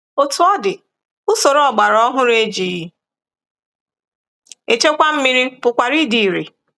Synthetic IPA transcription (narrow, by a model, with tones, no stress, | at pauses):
o˨tu˨ɔ˦dɪ˨ | ʊ˦so˨ɾɔ˨ɡ͡ba˨ɾɔ˦ɦʊ˦ɾe˦d͡ʒi˨i˦ | e˨t͡ʃe˦kʷa˦m̩˦mi˦ɾi˦pʊ˨kʷa˨ɾi˦di˨ɾḭ˨